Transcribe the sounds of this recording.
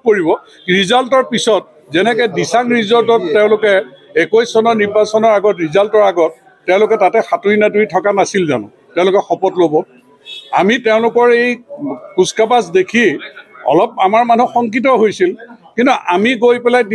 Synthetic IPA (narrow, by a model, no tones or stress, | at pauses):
koɹibɔ | ɹizaltɔɹpisɔt̚ | zɛnɛkɛdisaŋɹizɔltɔtːɛʊ̃lʊkɛekojsɔnɔɹniɹbasɔnɔɹaɡɔtɹizaltɔɹaɡɔt̚ː | ɛʊ̃lʊkɛtatɛxatuɹinaduitʰɔkanasilza̰nɔ̰̃ | tɛʊ̃lʊkɛxɔpɔtlobɔ | a̰mitɛʊ̃lʊkɔɹejkuskapasdekʰiɔ̰lɔp̚amaɹmanuxɔŋk̬it̬ɔɦojsilkĩntuʔamiɡojpɛlajd